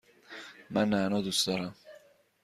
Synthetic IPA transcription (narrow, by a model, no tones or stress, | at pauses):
manaːnod̪ust̪ɔɾa